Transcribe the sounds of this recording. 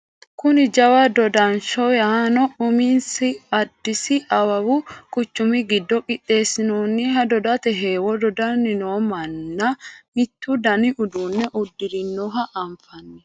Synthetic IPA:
kʊnɪd͡ʒɐwɐd̪ɔd̪ɐnʃɔjɐnɔʊminsɪɐd̪ːɪsɪʔɐwɐwʊkʼʊt͡ʃːʊmɪɡɪd̪ːɔkʼɪt̪ːe̞ːsɪnoːnːɪɦɐd̪ɔd̪ɐt̪ɛɦeːwɔd̪ɔd̪ɐnːɪnoːmɐnːɐmɪt̪ːud̪ɐnɪʔʊd̪uːnːɛʔʊd̪ːɪd̪ɪnːɔɦɐʔɐmfɐnːɛ

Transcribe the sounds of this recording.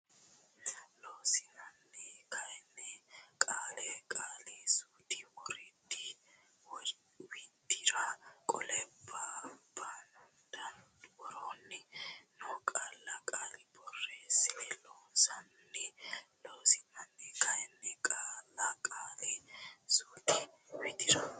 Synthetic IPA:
loːsɪnɐnːɛkʰɐjɛnːɛkʼaːlɛkʼaːlɛsuːt̪ɪwɔɾɪd̪ɪ | w | wid̪ɪɾakʼɔ̰lɛbːaban | d̪ɐnwɔɾɔnːɛnɔkʼaːlːɐkʼaːlɪbɔrːesɪlɛloːsɐnːɛloːsɪmɐnːɛkɐjɛnːɛkʼaːlːɐkʼaːlɛsuːt̪i | wɛt̪ɪɾɐ

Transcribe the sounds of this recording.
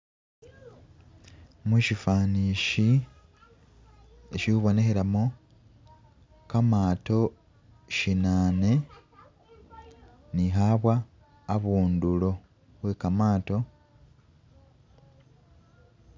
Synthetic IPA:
muʃifaːniːʃi | eʃiuβo̞ne̞xe̞ɾamo | kamaːto̞ | ʃinaːne̞ | niɦaβwaː | βuːndulo̞ | βwe̞ːkamaːto̞

